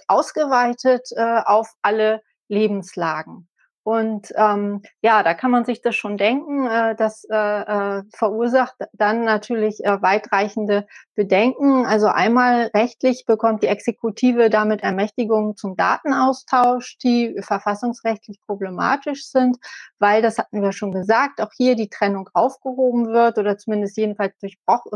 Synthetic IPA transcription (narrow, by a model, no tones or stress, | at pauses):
ʔaʊsɡ̥əvaɪtʰətʔɛːaʊfʔalə | leːbm̩slaːɡŋ̩ | ʔʊntʔɛːmjaːdaːkʰanmanzɪçd̥asʃoːndɛŋkŋ̩ɛːdasɛːɛːfɛɐʔuːɐzaχtd̥anːatʰyːɐlɪçʔɛːvaɪtʁ̥aɪçn̩dəb̥ədɛŋkŋ̩ʔalzoʔa̰ɪnmaːlʁɛçtlɪçb̥əkʰɔmt̚d̥iːʔɛksekutʰiːvədamɪtɛɐmɛçtɪɡʊŋt͡sʊmda̰ːtn̩ʔaʊstʰaʊʃd̥iːfɛɐfasʊŋsʁɛçtʰlɪçpʁ̥oblema̰ːtɪʃz̥ɪntv̥aɪldashatn̩viːjaʃoːnɡəzaːk̚taʊxhiːɐdiːtʁ̥ɛnʊŋʔaʊfɡ̥əhoːbm̩vɪɐtʔoːdɐt͡sumɪndəstjeːdn̩falsd̥ʊɐçb̥ʁ̥ɔχ